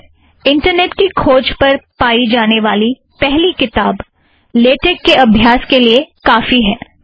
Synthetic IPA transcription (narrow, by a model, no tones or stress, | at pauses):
ɪ̃ɳʈəɾneːʈkikʰoːd͡ʒpɐɾpaːid͡ʒaːneʋaːli | pɛɦlikɪt̪aːb | leːʈekːeɐbʱjaːskeliekaːfiɦɛː